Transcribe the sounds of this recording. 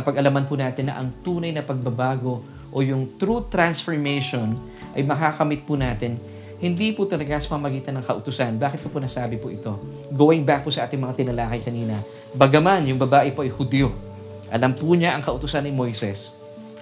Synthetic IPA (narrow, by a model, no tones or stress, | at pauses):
ɐpɐɡʔɐlɐmɐnpʊnaːt̪ɪnːɐ̰ʔɐŋt̪uːnɐjnɐpɐɡ̚bɐbaːɡo̞ | ʔojʊŋt̪ɾut̪ɾansfoɹmɛjʃon | ʔɐ̰jmɐkakɐmɪt̪̚pʊnaːt̪ɪn | hɪnd̪ipʊt̪ɐlɐɡasɐ̥pɐmɐɡiːt̪ɐnːɐŋkɐʔʊt̪ʊsanbaːkɪt̪̚kɐponɐsaːbɪpʊʔɪt̪o̞ | ɡowɪŋbak̚pʊsɐʔaːt̪ɪŋmɐŋat̪ɪnɐlaːkɐjkɐniːnɐ | bɐɡɐmanjʊŋbɐbaːʔɪpo̞ʔɐjhʊd̪iːjo | ʔɐlɐmpʊɲaʔɐŋkɐʔʊt̪ʊsanːɪmo̞jsɛs